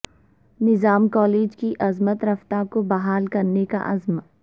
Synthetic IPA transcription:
nɪzaːmkɔːleːd͡ʒkiʔɐzmət̪ɾɐft̪akobɐɦaːlkɐɾneka̰ʔɐzm

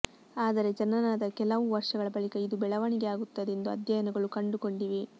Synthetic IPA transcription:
aːd̪ɐɾe̞d͡ʒɐnːɐnaːd̪ɐkɛlɐʋuʋɐɾʂɐɡɐɭɐbɐɭikɐid̪ubɛɭɐʋɐɳiɡeaːɡut̪ːɐd̪end̪uɐ̰d̪jɐjɐnɐɡɐɭukɐɳɖuko̞ɳɖiʋi

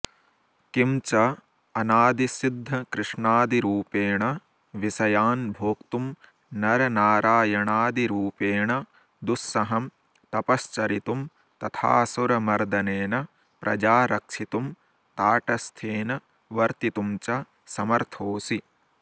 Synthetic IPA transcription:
kimt͡ʃɐ | ɐnaːd̪isid̪ʱːɐkɾɪʂɳaːd̪iɾuːpeːɳɐ | ʋisɐjaːnbʱoːkt̪um | nɐɾɐnaːɾaːjɐɳaːd̪iɾuːpeːɳɐ | d̪usːɐɦɐm | t̪ɐpɐst͡ʃɐɾit̪um | t̪ɐt̪ʰa̰ːsuɾɐmɐɾd̪ɐneːnɐ | pɾʔɐ̰d͡ʒaːɾɐkʂit̪um | t̪aːʈɐst̪ʰeːnɐ | ʋɐɾt̪it̪umt͡ʃɐ | sɐmɐɾt̪ʰoːsi

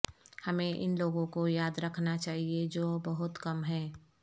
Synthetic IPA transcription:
hɐmẽʔɪ̰nloːɡõkojaːd̪ɾɐkʰnat͡ʃaːɦied͡ʒoːbɐɦʊt̪kɐmɦɛː

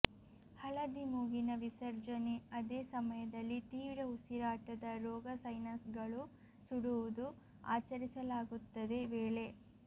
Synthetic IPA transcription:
hɐlɐd̪imuːɡinɐʋisɐɾd͡ʒɐneɐd̪eːsɐmɐjɐd̪ɐlːit̪iːʋɾɐɦusiɾaːʈɐd̪ɐɾɔːɡɐsɐjnɐsɡɐɭu | suɽuʋud̪u | a̰ːt͡ʃɐɾisɐlaːɡut̪ːɐd̪e̞ʋeːɭe̞

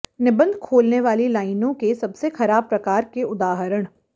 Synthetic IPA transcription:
nɪbə̃nd̪ʱkʰoːlneʋaːlilaːɪnõkesɐbsexɐɾaːb̚pɾɐkaːɾkeʊd̪aːɦɾəɽ̃

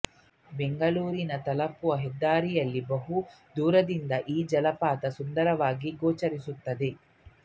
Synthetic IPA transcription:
be̞ŋɡɐluːɾinɐt̪ɐlɐpːuʋɐɦɛd̪ːaːɾijɐlːibɐɦu | d̪uːɾɐd̪ind̪ɐʔiːd͡ʒɐlɐpaːt̪ɐsund̪ɐɾɐʋaːɡiɡoːt͡ʃɐɾisut̪ːɐd̪e̞

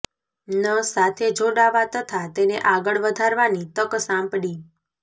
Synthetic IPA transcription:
nəsat̪ʰed͡ʒoɽaʋat̪ət̪ʰat̪eneʔaɡəɭʋəd̪ʱaɾʋanit̪əksãmpɽi

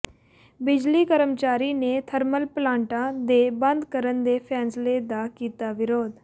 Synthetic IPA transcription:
bɪd͡ʒliːkəɾəmt͡ʃaːɾiːnet̪ʰəɾməlplãːɳʈãːd̪eːbə̃nd̪kəɾənd̪eːpʰɛːnsled̪aːkiːt̪aːʋɪɾoːd̪

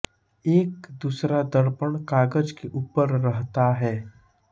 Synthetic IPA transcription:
eːkd̪uːsɾad̪əɾpəɳ̃kaːɡəd͡ʒkeʔuːpəɾːəɦt̪aɦɛː

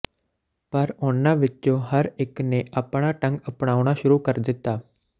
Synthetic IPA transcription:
pəɾʊnãːʋɪt͡ʃt͡ʃõːɦəɾɪkneːʔaːpɳaːʈə̃ŋɡəpɳaːʊɳaːʃʊɾuːkəɾd̪ɪt̪ːaː

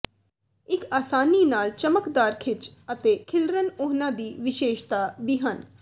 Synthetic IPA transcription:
ɪkaːsaːniːnaːlt͡ʃəməkd̪aːɾkʰɪt͡ʃət̪eːkʰɪlɾənʊɦnãːd̪iːʋɪʃeːʃt̪aːd̪iːɦən

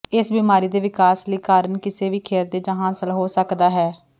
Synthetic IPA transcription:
ɪsbiːmaːɾiːd̪eːʋɪkaːsləiːkaːɾənkɪseːʋiːkʰeːɾd̪eːd͡ʒãɦãːsəlɦoːsəkd̪aːɦɛː

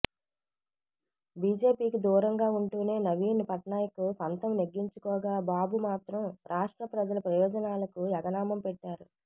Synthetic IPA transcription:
biːd͡ʒe̞ːpiːkid̪uːɾɐŋɡaːuɳʈuːne̞ːnɐʋiːnpɐʈɳaːjɐkupɐnt̪ɐmneɡːiɲt͡ʃukɔːɡaːbaːbumaːt̪ɾɐmɾʔaːʂʈɾɐpɾɐd͡ʒɐlɐpɾɐjɔːd͡ʒɐnaːlɐkujɐɡɐnaːmɐmpɛʈːaːɾu

